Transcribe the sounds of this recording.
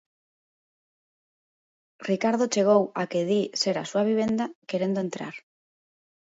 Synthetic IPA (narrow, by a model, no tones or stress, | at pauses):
rikaɾð̞ot͡ʃeɣ̞owakeðiseɾa̰suaβ̞iβ̞end̪akeɾend̪oent̪ɾa̰ɾ